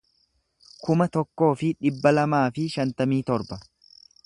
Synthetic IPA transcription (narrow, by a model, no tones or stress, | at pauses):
kʊmɐt̪ɔkːo̞ːfɪᶑɪbːɐlɐmaːfɪʃɐnt̪ɐmiːt̪ɔɾbɐ